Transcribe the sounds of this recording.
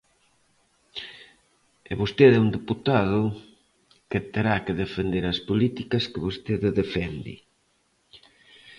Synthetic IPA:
eβost̪eðɛund̪eput̪aðʊ | ket̪eɾakeðefend̪eɾɐspolit̪ikɐskeβost̪eðɪðefɛnd̪ɪ̰

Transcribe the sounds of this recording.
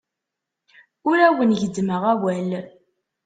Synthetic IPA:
ʊɾæwənʝəd̪ːməʁæwæl

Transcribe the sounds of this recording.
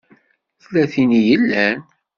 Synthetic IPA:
θlæθinijəlːæn

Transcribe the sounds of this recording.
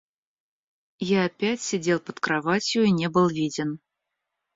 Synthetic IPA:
jaɐpʲætʲsʲɪdʲe̞lˠpət̪kɾɐvat͡sʲɪjʊinʲe̞bɨlˠvʲidʲɪn

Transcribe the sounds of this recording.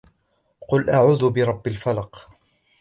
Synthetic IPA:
qʊlʔaʕuːðʊbɪɾˤɑbːalfalɑq

